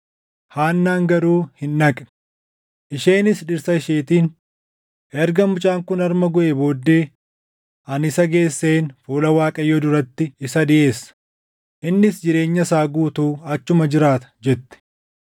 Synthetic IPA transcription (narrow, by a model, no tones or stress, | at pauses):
haːnːaːŋɡɐɾuːhɪnːɐkʼ | ʔɪʃe̞ːnɪsᶑɪɾsɐɪʃeːt̪iːn | ʔɛɾɡɐmʊt͡ʃʼaːŋkʊnɐɾmɐɡʊʔebo̞ːd̪ːe̞ː | ʔɐnɪsɐɡe̞ːsːe̞ːnfuːlɐwaːkʼɐjːɔd̪ʊɾɐt̪ːɪɪsɐd̪ɪʔe̞ːsːɐ̥ | ʔɪnːɪsd͡ʒɪɾe̞ːɲːɐsaːɡuːt̪uːɐt͡ʃːʊmɐd͡ʒɪɾaːt̪ɐ̥d͡ʒɛt̪ːɪ̥